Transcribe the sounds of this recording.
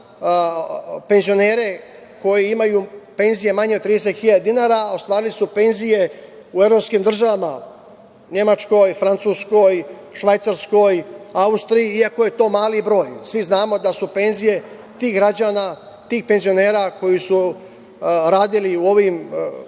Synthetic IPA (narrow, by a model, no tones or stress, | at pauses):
pe̞nzio̞ne̞ːɾe̞ | ko̞jeimajupe̞nzije̞maɲeot̪t̪ːɾiːd̪eset̪xiʎad̪d̪inaːɾao̞st̪ʋaːɾilisupe̞nzije̞ | ue̞vɾo̞pskimd̪r̩ʒaʋama | ɲe̞mat͡ʃko̞jfɾant̪suːsko̞jʃʋajt̪saɾsko̞jaust̪ɾijiiako̞je̞t̪o̞ːmaːlibɾo̞ːjsʋiznaːmo̞d̪asupe̞nzije̞ | t̪iːɣɡɾad͡ʑaːna | t̪iːxpe̞nzio̞ne̞ːɾako̞jisu | ɾaːd̪iliuo̞ʋim